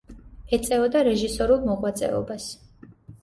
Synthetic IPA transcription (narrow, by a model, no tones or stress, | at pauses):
ɛt̪sʼɛɔd̪aɾɛʒisɔɾulˠmɔqʼwat̪sʼɛ̰ɔ̰bas